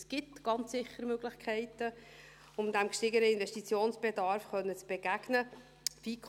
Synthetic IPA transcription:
sɡ̥ɪtɡ̥ɑnt͡ssɪχəɾmøɡ̥lɪçkʰɛɪtə | ʊmdæmkʃtɪɡəɾəɪnvɛʃtit͡sjoːnsb̥edɑrfχœnːət͡sb̥eɡ̥æɡ̥nə | fiːkʰ

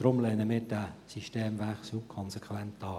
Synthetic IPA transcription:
d̥ɾʊmlɛːnəmɪːdæsiʃteːmvæxslukʰɔnsɛkʰwɛntɑː

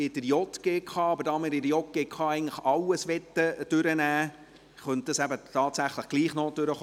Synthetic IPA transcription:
ɪd̥əɾjɔtɡ̥eːkʰχɑːɑbəɾdɑmɪɾɪdəjɔt̚ɡ̥eːkʰɑːɛɪɡŋn̩tləχɑwəsʋɛt̪ːəd̥ʏɾənæː | χœnt̚d̥ɑsæbət̪ʰɑːt̪sæχləχɡ̥liːχnoːd̥øɾəχ

